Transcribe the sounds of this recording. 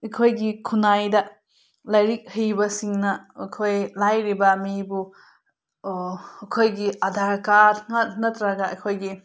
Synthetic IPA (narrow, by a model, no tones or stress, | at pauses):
ɐjkʰojɡikʰunajdɐ | lajɾik̚hɯjbɐsiŋnɐɐkʰojlajɾibɐmibu | ɐkʰojɡiɐdʱaɾkaɾŋat̚nɐtɾɐɡɐɐjkʰojɡi